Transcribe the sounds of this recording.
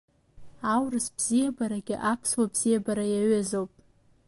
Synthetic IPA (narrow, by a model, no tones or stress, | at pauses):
awrɨsb̥z̥ijabaɾaɡʲɪ̰ʔapʰswabz̥ijabaɾajaɥazowpʼ